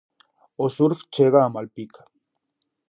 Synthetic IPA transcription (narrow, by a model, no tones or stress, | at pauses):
osuɾft͡ʃeɣaːmalpik